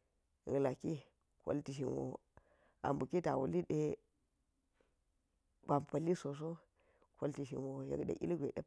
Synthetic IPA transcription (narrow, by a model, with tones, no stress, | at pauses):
la˨ki˦ | ko̰˦lti˨ʃ̬i˨nwo̰˨ | a̰˨mbu˨ki˦ta˨wṵ˨li˦ɗe˦ | b̥a˨mpa˨li˦so˨s̬o˦ | ko˦lti˨ʃḭ˨nwo˨ja̰˨kɗḛ˨ʔḭ˦lɡʷe˨ɗe˦